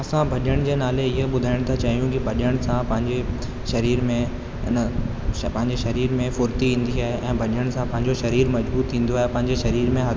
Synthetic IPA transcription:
ɐsãbʱɐɗəɽ̃d͡ʑeːnaːleɪɦeɓʊd̪ʱaːɪɽ̃t̪ʰat͡ɕɐɦijũkibʱɐɗəɽ̃sãpɐ̃ɦɪ̃ɲd͡ʑe | ʃɐɾiːɾmẽ | n | pɐ̃ɦɪ̃ɲd͡ʑeʃɐɾiːɾmẽfʊɾt̪iɦĩːn̆d̪iaːɦeʔɛ̃ːbʱɐɗəɽ̃sãpɐ̃ɦɪ̃ɲd͡ʑoʃɐɾiːɾmɐd͡ʑbuːt̪ʰːĩːn̆d̪oaːɦepɐ̃ɦɪ̃ɲd͡ʑeʃɐɾiːɾmẽɦɐ

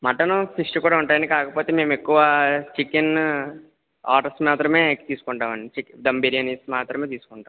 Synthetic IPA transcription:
mɐʈɐnusɾiʂʈɐkuːɽaːuɳʈaːjɐɳːnikaːkɐpo̞ːt̪eːme̞ːmekːuʋat͡ʃikɐn | aːʈɐsmaːt̪ɾɐmeːt̪iːsu̥kɔɳʈaːmɐnit͡ʃikd̪ɐmbeɾijɐnismaːt̪ɾɐmeːt̪iːsu̥kɔɳʈaːm

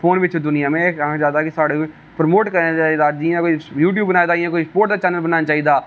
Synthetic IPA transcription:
fʰoːnʋɪt͡ʃːd̪ʊnɪjãːmẽkãːd͡ʒaːt̪akisaːɽẽ | pɾəmoːʈkəɾnat͡ʃaːid̪aːd͡ʒiãkoijuːʈ̬juːbːənaːed̪aːɪjãːkoispoːɾʈ̚d̪aːt͡ʃɛːnəlbənaːnat͡ʃaːiːd̪aː

